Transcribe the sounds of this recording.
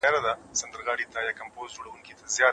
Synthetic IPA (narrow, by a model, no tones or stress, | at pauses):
ɑɾad̪asand̪əɾɣɑɽit̪ajɑkampozd͡ʒoɽawuŋkit̪azjɑ